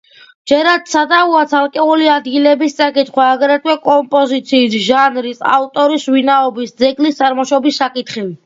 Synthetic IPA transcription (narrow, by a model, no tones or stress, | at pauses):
d͡ʒɛɾad̪sad̪auat̪sʰalˠkʼɛuliad̪ɡilɛbist̪sʼakʼit̪ʰχwaːɡɾat̪̚kʰwɛkʼɔmpʼɔzit̪sʰiːsʒanɾisa̰ft̪ʼɔɾisvinaɔbisd̪zɛɡlist̪sʼaɾmɔʃɔbisːakʼit̪χi